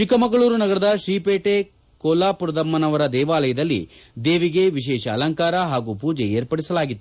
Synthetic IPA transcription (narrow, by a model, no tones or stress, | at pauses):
t͡ʃikɐmɐɡɐɭuːɾunɐɡɐɾɐd̪ɐʃɾiːpeːʈe | koːlaːpuɾɐd̪ɐmːɐnɐʋɐɾɐd̪ɛːʋaːlɐjɐd̪ɐlːḭd̪eːʋiɡe̞ʋiʃ̬ɛːʃɐ̰ːlɐŋkaːɾɐɦaːɡuːpuːd͡ʒejeːɾpɐɽisɐlaːɡit̪ːu